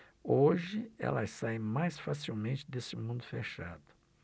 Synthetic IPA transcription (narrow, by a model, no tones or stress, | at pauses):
oʒɪɛ̰lɐsaẽj̃majsfasiwmẽnt͡ʃɪd̪esɪmũnd̪ʊfeʃa̰d̪ʊ